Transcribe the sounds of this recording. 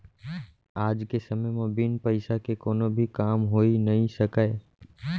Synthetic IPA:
aːd͡ʒkesəməjmãbinpəɪsakekoːnobʱikaːmɦoːinəɦĩsəkae

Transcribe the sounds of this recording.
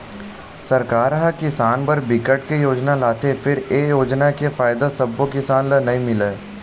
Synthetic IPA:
sɐɾkaːɾɦəkɪsaːnpɐɾbɪkəʈkejoːd͡ʒnalaːt̪efʰɪɾeːjoːd͡ʒnakefaːjɪd̪asɐbːokɪsaːnlənɐɦĩmɪleː

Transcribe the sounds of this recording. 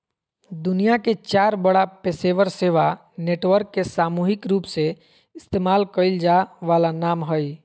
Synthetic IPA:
d̪ʊnijaket͡ʃaːɾbəɽapeːseːʋəɾseːʋa | neːʈʋəɾkːesaːmuːɦɪkɾuːpse | ɪst̪eːmaːlkəɪld͡ʒaːʋaːlanaːmɦəi

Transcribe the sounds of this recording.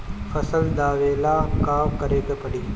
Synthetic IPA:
fɐsəld̪aːʋeːlaːkaːmkəɾeːk̪epəɽiː

